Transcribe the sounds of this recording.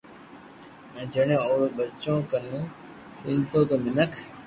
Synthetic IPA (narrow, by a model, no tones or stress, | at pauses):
ɛ̃ːd͡ʒəɳẽːoːɾɓət͡ʃõːkəɾnũː | ɗɪnt̪oːt̪oːnɪnəkʰ